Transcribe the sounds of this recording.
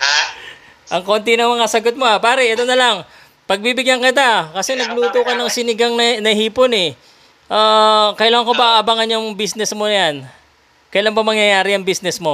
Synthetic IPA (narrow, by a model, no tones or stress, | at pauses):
ʔɐŋko̞nt̪ɪnɐŋmɐŋasɐɡot̪̚mo̞ʔapaːɾɛʔɛt̪o̞nɐlaŋ | pɐɡ̚bibɪɡjaŋkɪt̪̬akɐsɛnɐɡluːt̪okɐnɐŋsɪnɪɡaŋnɐnɐhiːpo̞nɛ | ʔaːkɐjɪlaːŋɐŋko̞bɐʔaʔɐbaŋɐnjʊŋbisnɛsmo̞jan | kɐjlaŋbɐmɐŋjɐjaːɾɪjɐŋbisnɛsmo̞